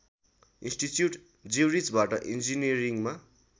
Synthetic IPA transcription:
insʈit͡sjuʈ | d͡ziwɾid͡zbaʈʌ̰ʔind͡ziniɾiŋma

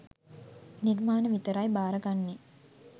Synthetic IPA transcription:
nirmaːnəʋit̪əɾajbaːɾəɡanːe

